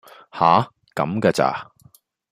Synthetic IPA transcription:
haː˨˥˦ | kɐ̰˨˧mkaː˧t͡sa̰ː˧˩

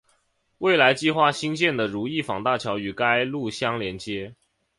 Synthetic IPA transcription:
we˥˩ɪla˧˥ɪt͡ɕi˥˧xwa˥˩ɕi˥nt͡ɕjɛ˥˩nd̪ə˩ɻu˧˥i˥˩fɑ˨˩ŋt̪a˥˩t͡ɕʰjɑ˧˥ʊy˨˩ka˥ɪlu˥˩ɕjɑ˥ŋljɛ˧˥nt͡ɕjɛ˥

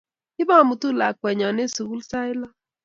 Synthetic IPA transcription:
ɪ˦ba˦˨mu˨tu˦la˨kwɛ˨ɲɔ˨ne˦su˨ɣu˦lsa˦ɪ˦lɔ˦

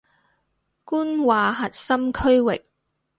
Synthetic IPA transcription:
kuː˥nwaː˨ɦɐ˨t̚sɐ˥mkʰɵ˥ɥwɪ˨k̚

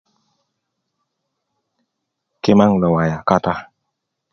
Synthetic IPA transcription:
ke˦ma˦ŋlə˨wa˨ja˨ka˦t̪a˦

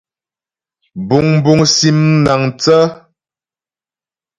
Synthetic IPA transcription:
bu˨ŋm˦bu˨ŋsi˨mna˨ŋt͡sə˦

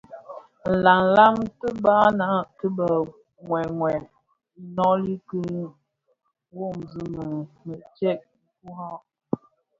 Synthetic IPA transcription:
n̩˨la˨ŋ˨la˦mtə˦ba˦na˨˦tə˦bə˨ | ŋwɛ˨ŋwɛ˨˦ | nɔ˦li˦kə˦ | wo˦˨mzi˨mə˨mə˨t͡ʃɛ˦ʔ̩̚˦ku˦ha˦

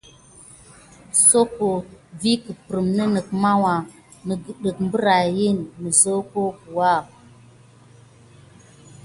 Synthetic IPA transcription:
so˦ko˨vi˦kə˨pɾə˨mnə˦nə˨kma˦wa˨ | nə˨ɡə˨ɗə˨k̚m˦bə˦ɾa˨ji˦nːə˨zo˦ko˦ku˨wa˦˨

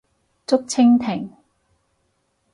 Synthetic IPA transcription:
t͡sʊ˥k̚t͡sʰɪ˥ŋt̪ʰɪ˨˩ŋ

